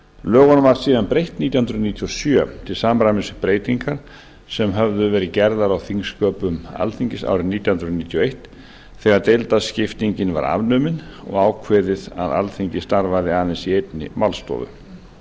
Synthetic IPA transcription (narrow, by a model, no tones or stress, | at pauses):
lœːɣɔnmvaɾsiːðanpɾejht̪niːjahʏnɾðniːt̪ʰiɔsjœt̪ʰɪlsaːmɾamɪsʏpɾeːjt̪iŋkaɾ̥ | sɛmɦœvðʏvɛːɾɪcɛɾðaɾawθiŋskœːpʏma̰lθiɲcɪsa̰ːwɾɪniːt̪jahʏnɾʏniːt̪ʰjɔejht̪ | θɛːɣaɾt̪ejlt̪ascɪft̪iɲcɪnva̰ɾa̰vnʏːmɪnɔ̰ɣaːwkʰvɛːðɪða̰ða̰lθiɲcɪst̪aɾvaðɪaːðɪnsiejpnɪ̰mawlst̪ɔ̰ːðʏ̰